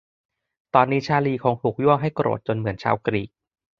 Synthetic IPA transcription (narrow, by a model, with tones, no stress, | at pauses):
t̪ɔː˧nːiː˦˥t͡ɕʰaː˧liː˧kʰoː˧ŋpʰu˨˩k̚ju˥˩əŋɦa˥˩jkɾo̰ː˨˩t̪̚t͡ɕo˧nmɯ˩˦ənt͡ɕʰa̰ː˧wkɾiː˨˩k̚